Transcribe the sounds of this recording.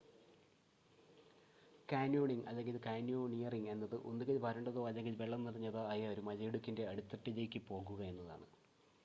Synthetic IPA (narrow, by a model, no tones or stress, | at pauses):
kaːnjuːɳiŋɐ̰lːeŋɡilɨkaːnjuːɳijɐriŋe̞nːɐðɨʔonːikːɐlbʱɐɾɐɳɖɐðoːɐlːeŋɡilʋe̞ɭːɐmnirɐɲːɐðɨɐjɐoɾumɐlɐjeɽukʲːinde̞ɐɽut̪ːɐʈːid͡ʑɐjkʲːɨpo̞ːɣuɣɐe̞nːɐða̰ːɳɨ